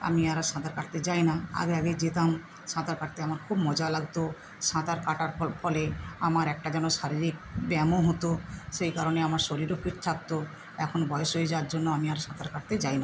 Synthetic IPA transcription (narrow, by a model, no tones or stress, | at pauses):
a̰miaɾaʃãt̪aɾkaʈ̚t̪ed͡ʑajnaa̰ɡeaɡejd͡ʑet̪am | ʃãt̪aɾkaʈ̚t̪eamaɾkʰubmɔd͡ʑalaɡt̪o | ʃãt̪aɾkaʈaɾpɔleamaɾɛk̚ʈad͡ʑɛnoʃaɾiɾik̚bɛmoɦot̪oʃejkaɾoneamaɾʃoɾiɾofʰitt̪ʰap̚t̪o | ɛkʰonbɔjoʃoed͡ʑaaɾd͡ʑonːoamiaɾʃãt̪aɾkaʈt̪ed͡ʑajna